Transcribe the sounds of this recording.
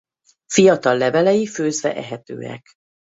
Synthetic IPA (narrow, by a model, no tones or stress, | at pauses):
fijɒt̪ɒlːɛvɛlɛjiføːzvɛʔɛɦɛt̪ø̰ːɛ̰k